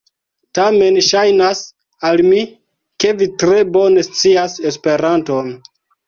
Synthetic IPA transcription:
tame̞nʃajnas | almi | ke̞vitɾe̞bo̞ne̞st͡siase̞spe̞ɾanto̞n

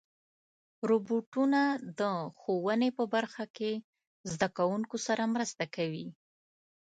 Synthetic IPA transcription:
ɾoboʈunad̪əxowənepəbaɾxake | zd̪akawuŋkosaɾamɾəst̪akawi

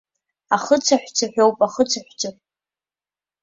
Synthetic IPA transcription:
aχət͡sʰaħᶣʷt͡sʰaħᶣowpʼaχət͡sʰaħʷᶣt͡sʰapʼ

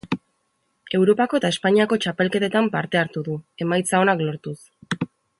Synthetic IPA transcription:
e̞wɾo̞pako̞e̞t̪aespaɲiako̞t͡ʃape̞lke̞t̪e̞t̪ampaɾt̪e̞aɾt̪uðue̞majt͡sao̞naklo̞ɾt̪us

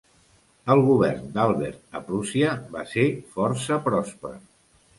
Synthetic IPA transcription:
əlˠɣuβɛrnd̪alˠβɛ̰ɾt̪̚əpɾusiəβasefɔɾsəpɾɔspɾə̰

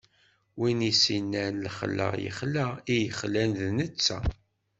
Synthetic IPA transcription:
winisinːænlχlːæ̰jə̰χlæijəχlænðnət͡sːæ̰

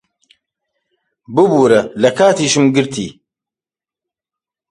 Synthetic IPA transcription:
bɨbuːɾɐlɐkaːt̪iːʃɨmɡɨɾt̪ʰḭː

